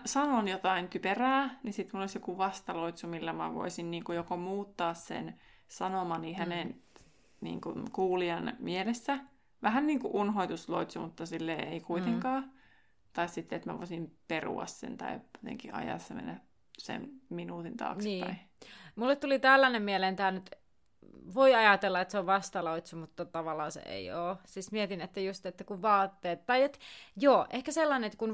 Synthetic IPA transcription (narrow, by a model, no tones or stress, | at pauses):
sɑnonjot̪ɑink̪yperæːnisit̪mulːolisjokuʋɑst̪ɑloit̪sumilːæmæ̰ʋo̰isinniːŋkujokomuːt̪ːɑːssḛn | sɑnomɑnihænen | nḭːŋkunkuːliɑnmielesːæ | ʋæhænniːŋkuʔunhoit̪uslo̰it̪sumut̪ːɑsilːeːeikuit̪eŋkɑː | t̪ɑissit̪ːeet̪mæʋo̰isimperṵɑ̰ssḛnt̪ɑ̰ijot̪ḛŋkiʔɑ̰jɑ̰sːɑmḛnːæ | sḛnminuːt̪int̪ɑ̰ːksniːæi | mulːet̪t̪ulit̪ælːænemmielent̪æːnyt̪ | ʋoiɑjɑt̪elːɑet̪seoʋʋɑst̪ɑloit̪sumut̪ːɑt̪ɑʋɑlɑːsḛḛioːsismiɛt̪inet̪ːæjust̪et̪ːækuʋʋɑːt̪ːeːt̪t̪ɑiet̪joːʔehkæselːɑneet̪ːkun